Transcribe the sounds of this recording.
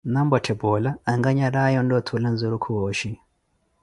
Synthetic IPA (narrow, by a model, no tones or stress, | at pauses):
nambɔtʰɛbɔlaːŋɡaɲaɾajɔndɔtʰulanzuɾukʰuɔʃi